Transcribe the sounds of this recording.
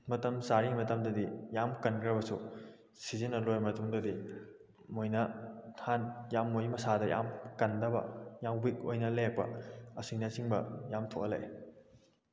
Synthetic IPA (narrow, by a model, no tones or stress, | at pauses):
mɐtɐmsaɾimɐtɐmdɐdijamkɐnkɾɐbɐsu | sizinɐlojmɐtuŋdodi | mojnɐtʰanjamːojmɐsadɐja̰mkɐndɐbɐ̰jawbik̚ojnɐlek̚pɐ̰ɐsiŋnɐsiŋbɐ̰jamtʰokɐlḛj